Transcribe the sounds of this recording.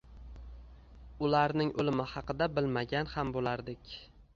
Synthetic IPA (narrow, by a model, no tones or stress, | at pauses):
ʊlaɾnɪŋolɪmɪhɑqɨd̪abɪlmaɡʲanhambolaɾd̪ɪkʲ